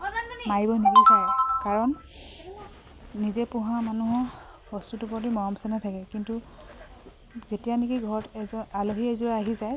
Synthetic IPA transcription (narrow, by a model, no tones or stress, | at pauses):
maɹibɔnibisakaɹɔn | izɛpũɦamanuɦɔ | hɔstutupɔtimɔɹɔmsɛnatʰakɛkintu | zetijanikiɡʱɔɹɔtaloɦiɛzuɹaaɦizaj